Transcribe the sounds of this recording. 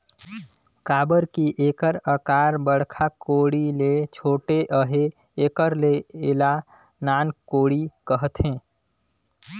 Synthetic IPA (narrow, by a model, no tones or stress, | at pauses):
kaːbəɾkiʔeːkəɾəkaːɾbəɽkʰakoːɽilet͡ʃʰoːʈeʔəɦeː | kəɾleela | naːnkoːɽikəɦət̪ɦẽː